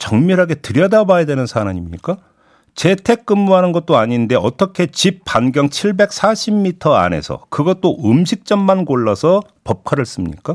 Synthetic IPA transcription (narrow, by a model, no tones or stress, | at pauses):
t͡ɕʌŋmiɾɦaɡe̞tɯɾjʌdabajadwe̞nɯnsʰanaɲimɲḭk͈a | t͡ɕe̞tʰe̞k̚k͈ɯmːuɦanɯnɡʌt̚t͈oaɲinde̞ʌt͈ʌkʰe̞t͡ɕip̚p͈ːanɡjʌŋt͡ɕʰiɭbe̞k̚s͈ʰaɕʰimmitʰʌa̰ne̞̰sʰʌ̰kɯɡʌt̚t͈oʔɯmɕʰik̚t͡ɕ͈ʌmmankoɭːasʰʌ | pʌp̚kʰaɾɯɭs͈ɯmɲḭk͈a